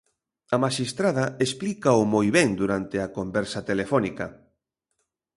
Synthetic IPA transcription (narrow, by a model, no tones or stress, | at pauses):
ɐmaʃist̪ɾaðɐesplikaʊmojβɛŋd̪uɾant̪ɪɐkombɛɾsɐt̪elefɔnikɐ